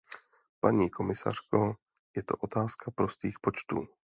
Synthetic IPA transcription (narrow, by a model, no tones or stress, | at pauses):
paɲiːko̞mɪsa̰r̝̥ko | jɛt̪o̞̰ʔo̞t̪aːskapɾo̞st̪iːxpo̞t͡ʃt̪ṵː